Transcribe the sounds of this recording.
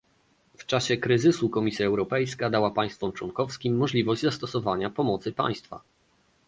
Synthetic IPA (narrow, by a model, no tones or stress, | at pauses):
ft͡ʂaɕɛkɾɘzɘsukɔmʲisʲjaɛwɾɔpɛjskad̪awapaj̃st̪fɔmt͡ʂwɔŋkɔfskʲimːɔʐlʲivɔʑd͡ʑzast̪ɔsɔvaɲapɔmɔt̪sɘpa̰j̃st̪fa̰